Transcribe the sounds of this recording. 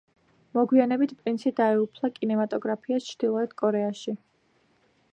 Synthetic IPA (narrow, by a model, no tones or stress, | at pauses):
mɔɡwianɛbit̪ʰpʼɾinsid̪aɛupʰlˠakʼinɛmat̪ʼɔɡɾapʰiast͡ʃʰɾd̪̥ilˠɔɛt̪kʼɔɾɛaʃi